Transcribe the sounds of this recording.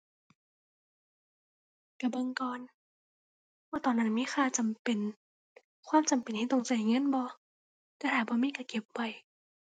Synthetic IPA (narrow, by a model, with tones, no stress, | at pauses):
ka˧˩ba˧˨ŋkɔː˨n | bɔː˧˩t̪ɔː˨˩nːa˧˥˩nmiː˧˥˨xʰaː˧˨t͡ɕa˨mpe˨n | kʰwaː˧˥˨mt͡ɕa˨mpe˨nʰiː˧˩t̪o˧˨ŋt͡ɕa˧˩˨ŋɤ˧˥˨nbɔː˧˦ | ka˧˩t̪ʰaː˧˩bɔː˧˦miː˧˥˨ka˧˩ke˧˦p̚wa˨˩j